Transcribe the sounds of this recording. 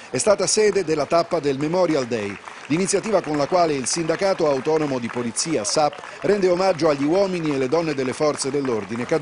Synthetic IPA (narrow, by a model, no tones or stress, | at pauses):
ɛst̪aːt̪asɛːd̪ed̪elːat̪apːad̪elmemɔɾjald̪ɛjd̪init̪sːjat̪iːvakonlakwaːleilsind̪akaːt̪oawt̪ɔnomod̪ipolit̪sːiːasapː | rɛnd̪eomad͡ʒːoaʎːiwɔːminielːed̪ɔnːed̪elːefɔrt̪sed̪elːord̪ineka